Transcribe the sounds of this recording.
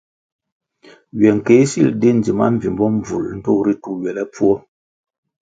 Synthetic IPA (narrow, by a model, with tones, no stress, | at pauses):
ɥɛ˨ŋ˨ke˨˦sḭ˦˨lde˦n̩˨di˨ma̰˦m̩˨vi˨mbɔ˦m˨b͡vṵ˨ln̩˦to˦˨ɾi˦tu˦ɥɛ˨lɛ˦pu˦ɔ˦